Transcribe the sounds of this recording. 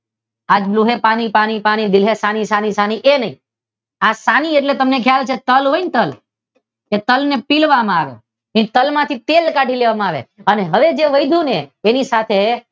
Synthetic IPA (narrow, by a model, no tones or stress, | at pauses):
ad͡ʒbluɦepañipañipaɽ̃id̪ɪlɦesañisanisañiʔenəɦĩ | asanieʈlet̪əmnekʰjalt͡ʃʰet̪əlɦoint̪əl | et̪əlnepilʋamãaʋḛ | et̪əlmãt̪ʰit̪elkaʈʰileʋamãaʋḛəneɦəʋed͡ʒeʋəjd̪ʱuneːnisat̪ʰe